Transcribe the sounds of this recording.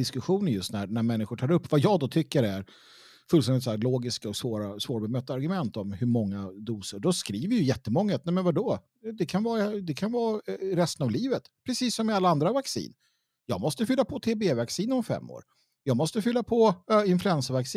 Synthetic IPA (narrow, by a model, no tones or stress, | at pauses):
d̪ɪskɵɧuːnənjɵst̪næɾnæɾmɛnːɪɧʊʈʰɑːɾɵpːvajɑːɡd̪ɔt̪ʰʏkːəɾæɾ | fɵlst̪ɛnɪt̪sɔæːɾloːɡɪskaɔksvoːɾasvoːɾbɛmœːt̪ːaaɾɡɵmɛnt̪ɔmhɵɾmɔŋːad̪uːsəɖɔskɾiːvəɾjɵjɛt̪ːəmɔŋːaat̪nɛmɛnvaɖɔ | d̪ɛkʰanvɑːɾad̪ɛkʰanvɑːɾɛst̪ənavliːvət̪pʰɾɛsiːsːɔmːɪalːaand̪ɾavaksḭːn | jɑːɡmɔst̪əfʏlːapʰɔt̪ʰeːbeːvaksiːnɔmfɛ̰mːo̰ːɾ | jɑːɡmɔst̪əfʏlːapʰɔɪnflɵɛnsəvaksiː